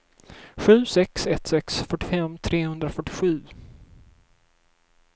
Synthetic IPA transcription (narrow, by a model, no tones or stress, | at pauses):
ɧʉ̟ːsɛksɛt̪sɛksfœʈːɪfɛmːt̪ʰɾeːhɵnd̪ɾafœʈːɪɧʉ̟ː